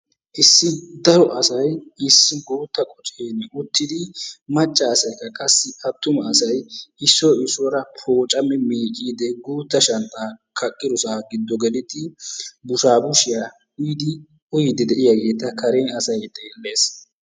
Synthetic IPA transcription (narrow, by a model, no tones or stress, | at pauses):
ʔɪsːɪd̪ɐɾɔʔɐsɐjɪsːɪɡuːt̪ːɐkʼɔt͡ʃʼeːnʊt̪ːɪd̪ɪmɐt͡ʃʼːɐːsɐjkːɐkʼɐsːɪɐt̪ːʊmɐːsɐjɪsːɔɪsɔɾɐpʰoːt͡ʃʼɐmɛmeːkʼiːd̪ɛɡuːt̪ːɐʃɐnt̪ʼaːkʰɐkʼːɪd̪ʊsaːɡɪd̪ːɔɡɛlɪt̪ɪbʊʃaːbʊʃɪja | ʊjɪd̪ɪ | ʊjɪd̪ɪd̪ɛʔɪjaɡe̞ːt̪ːɐkʰɐɾeːnɐsɐjt̪ʼeːlːe̞ːs